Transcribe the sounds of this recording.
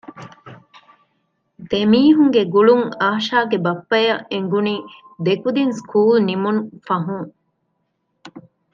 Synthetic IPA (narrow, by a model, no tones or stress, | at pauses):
d̪̥emiːɦuŋɡeɡuɭuŋaːʃaːɡebɐpːɐjɐʔeŋɡuniː | d̪ekud̪inskʰuːlnimunfɐɦuŋ